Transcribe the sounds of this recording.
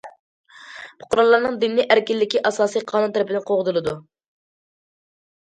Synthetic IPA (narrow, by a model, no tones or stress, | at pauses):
bʰʊ̥qʰʊɾɑlːˠɑɾnɨŋd̪ɪnːɪʔæɾkʲilːɪkʲiʔɑsɑːsɨjqʰɑːnunt̪eɾɪpʰɪd̪ɪnqʰoʁʊzɨlˠɨd̪u